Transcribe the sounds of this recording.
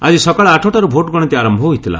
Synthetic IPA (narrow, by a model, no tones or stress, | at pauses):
ad͡ʒisɔkaɭɔaʈʰoʈaɾubʱoʈɡɔɽɔt̪iaɾɔmbʱɔɦuit̪ʰila̰